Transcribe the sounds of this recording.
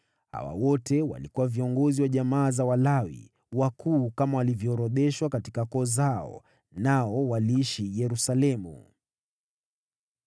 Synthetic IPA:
ha̰wa̰wɔtɛwa̰likuwaviɔŋɡɔziwaʄamaːzawalawḭ | wakʰuːkamawalivjɔːɾɔɗɛʃwakati̥kakɔːzaɔ̰ | naɔwaliiʃijɛɾusalɛmṵ

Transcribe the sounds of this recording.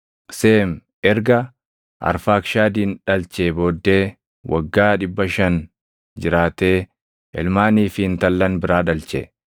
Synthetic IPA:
seːm | ɛɾɡɐ | ʔɐ̰ɾfaːkʃaːd̪iːnᶑɐlt͡ʃeːbo̞ːd̪ːe̞ː | wʔɐ̰ɡːaːᶑɪbːɐʃɐn | d͡ʒɪɾaːt̪e̞ː | ʔɛ̰lmaːniːfɪɪnt̪ɐlːɐnbɪɾaːᶑɐlt͡ʃɛ̰

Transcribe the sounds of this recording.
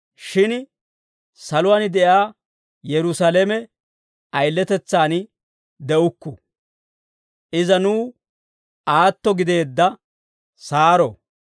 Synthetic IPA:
ʃɪn | sɐlʊwaːnɪd̪ɛʔjaː | jɛɾʊsalemɛ | ɐjlːɛt̪ɛt͡sːaːn | d̪ɛʔʊkːʊ | ʔɪzɐnuː | aːt̪ːɔɡɪd̪e̞ːd̪ːɐ | saːɾɔ̰

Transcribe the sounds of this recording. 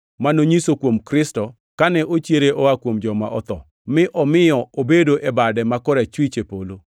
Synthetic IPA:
manoɲisokwomkɾɪstɔ | kanɛʔot͡ʃjeɾeʔoakwomd͡ʒɔma̰ʔɔt̪ɔ | mɪʔɔmɪjɔobedoʔebadɛmakɔɾɛt͡ʃwit͡ʃepolo

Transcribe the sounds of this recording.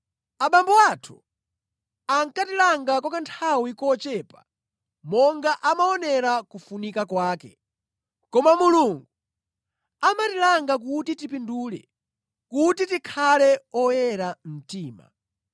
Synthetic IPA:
aɓambɔwatʰu̥ | aŋkatilaŋɡakɔkantʰawikɔt͡ʃɛːpa | mɔŋɡaʔamaɔnɛɾakufunikakwaːkɛ̰ | kɔmamuluŋɡu | amatilaŋɡak̬utitipinduːlɛ̰ | kutitikʰalɛɔjɛɾam̩tiːma̰

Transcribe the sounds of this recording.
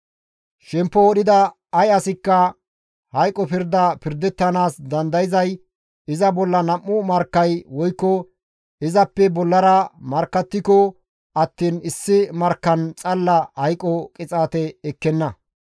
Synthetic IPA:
ʃɛmpːɔːɗɪd̪ɐ | ɐjɐsɪkːɐ | hɐjkʼːɔpɪɾd̪ɐpɪɾd̪ɛt̪ːɐnaːsd̪ɐnd̪ɐjɪzɐj | ɪzɐbɔlːɐnɐmːʊmɐɾkːɐjwɔjkːɔ | ɪzɐpːɛbɔlːɐɾɐmɐɾkːɐt̪ːɪkɔ | ɐt̪ːiːnɪsːɪmɐɾkːɐnt͡sʼɐlːɐhɐjkʼɔkʼɪt͡sʼaːt̪ɛɛkːɛnːɐ

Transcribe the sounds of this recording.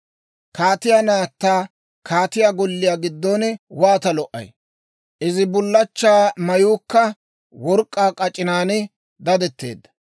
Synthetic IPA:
kaːt̪ɪjaːnaːt̪ːaː | kʰaːt̪ɪjaɡɔlːɪjaːɡɪd̪ːɔnwaːt̪ɐlɔʔɐ̰j | ʔɪzɪbʊlːɐt͡ʃːaːmɐjuːkːɐ | wɔɾkʼːaːkʼɐt͡ʃʼːɪnaːnɪ | d̪ɐd̪ɛt̪ːe̞̰ːd̪ːɐ̥

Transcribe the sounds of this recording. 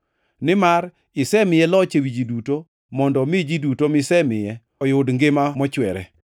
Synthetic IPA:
nɪmaɾ | ɪsɛmɪjɛlɔt͡ʃebid͡ʒiduto | mɔndɔmɪd͡ʒidutomɪsɛmɪjɛ | ɔjʊdŋɡɪmamɔt͡ʃwɛɾɛ̰

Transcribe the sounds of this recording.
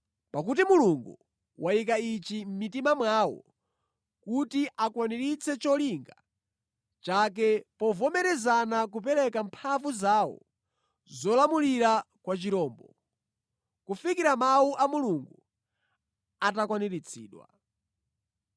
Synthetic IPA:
pak̬ut̬imuluŋɡu | wʔajikait͡ʃim̩mitimamwawɔ̰ | kutiʔakwaniɾit͡sʰɛt͡ʃɔliŋɡa | t͡ʃak̬ɛpɔvɔmɛɾɛzanak̬up̬ɛɾɛkampʰavuzaːwɔ̰ | zɔlamuliɾa | kwat͡ʃiɾɔːmbɔ | kufikiɾamauʔamuluŋɡu | atakwaniɾit͡sʰḭːɗwa̰

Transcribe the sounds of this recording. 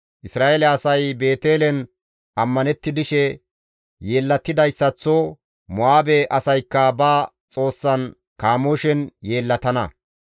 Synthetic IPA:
ʔɪsɾaːʔelɛɐsɐjbe̞ːt̪e̞ːlɛn | ʔɐmːɐnɛt̪ːɪd̪ɪʃɛ | je̞ːlːɐt̪ːɪd̪ɐjsːɐt͡sːo | mʊaːbɛʔɐsɐjkːɐbaː | t͡sʼo̞ːsːɐn | kaːmoʃɛnje̞ːlːɐt̪ɐnɐ̰

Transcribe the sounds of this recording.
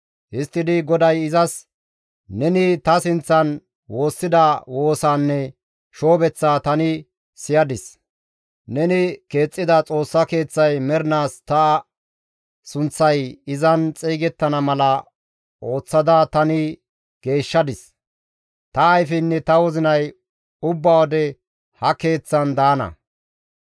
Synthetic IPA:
hɪst̪ːɪd̪ɪɡɔd̪ɐjɪzɐs | nɛnɪt̪ɐsɪnt͡sːɐn | wo̞ːsːɪd̪ɐwo̞ːsaːnːɛ | ʃo̞ːbɛt͡sːaːt̪ɐnɪ | sɪjɐd̪ɪs | nɛnɪke̞ːt͡sʼːɪd̪ɐt͡sʼo̞ːsːɐke̞ːt͡sːɐjmɛɾɪnaːst̪ɐ | sʊnt͡sːɐjɪzɐnt͡sʼiːɡɛt̪ːɐnɐmɐlɐ | o̞ːt͡sːɐd̪ɐt̪ɐnɪ | ɡ̥e̞ːʃːɐd̪ɪs | t̪ɐːjfɪnːɛt̪ɐwɔzɪnɐj | ʊbːaːwɔd̪ɛ | hɐke̞ːt͡sːɐnd̪aːnɐ̰

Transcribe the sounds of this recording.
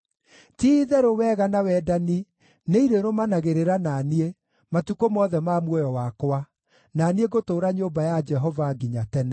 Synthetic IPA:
tiðɛɾowɛɣanawɛdani | neiɾeɾomanaɣeɾeɾananie | matukomɔːðɛmaːmwɔjɔwakoa | nanieɣotoːɾaɲombajad͡ʒɛɦɔvaɡiɲatɛnɛ

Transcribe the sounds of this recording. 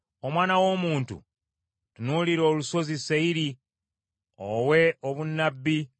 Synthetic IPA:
o̞mwaːnawo̞muːntṵ | tunuliɾo̞ːluso̞ziseiɾi | owe̞oβunːabːi

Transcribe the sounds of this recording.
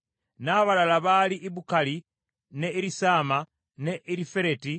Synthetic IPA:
naβalalaβaliʔːβukali | neiɾisaːma | ne̞ʔiɾife̞ɾe̞ti

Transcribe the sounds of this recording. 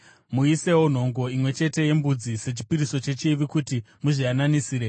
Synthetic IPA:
muise̞won̤o̞ŋɡo̞imwe̞t͡ʃe̞te̞je̞mbud͡zise̞t͡ʃi̥piɾiso̞t͡ʃe̞t͡ʃiʋikuti | muʐiananisiːɾe

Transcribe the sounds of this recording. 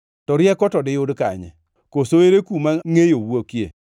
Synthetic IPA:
tɔɾjɛkɔtɔdɪjodka̰ɲɛ̰ | kosoeɾekumaŋejowokjḛ

